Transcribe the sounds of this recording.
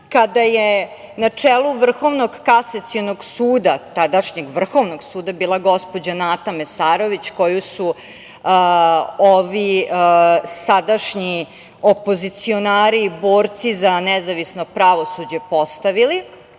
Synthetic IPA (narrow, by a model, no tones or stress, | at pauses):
kad̪aje | nat͡ʂeːluʋr̩xo̞ʋno̞ɡkasat̪sionoɡsuːd̪at̪ad̪aʃɲeɡʋr̩xo̞ʋno̞ɡsuːd̪abiːlˠaɡo̞spo̞d͡ʑanat̪amesaːɾo̞ʋit͡ɕko̞jusu | oʋi | sad̪aʂɲi | opozit̪sio̞naːɾiːboːɾt̪sizanezaʋisno̞pɾaʋo̞sud͡ʑe̞po̞st̪aʋili